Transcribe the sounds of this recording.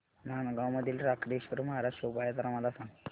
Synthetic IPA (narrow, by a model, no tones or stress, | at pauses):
nanaɡãwməd̪ʱiːlɾakɾiɕʋəɾuməɦaɾaɕopajat̪əɾaməlasãŋ